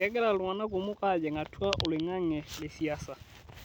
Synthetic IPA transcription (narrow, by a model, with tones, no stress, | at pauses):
ɛ˦k̬ɛ˦la˨la˨na˦ko˨mʊ˦kʼa˦˨d͡ʒɛ˨ŋa˨tʰu˦a˦ʔʊ˨lɪ˨ŋa˦ŋɛ˨lɪ˨si˨asa˨